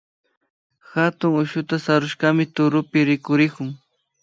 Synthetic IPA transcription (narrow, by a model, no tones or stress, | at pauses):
xat̪ʊŋʊʃʊt̪asaɾʊʃɢɑmɪt̪ʊɾʊpɪɾɪkʊɾɪkʊŋ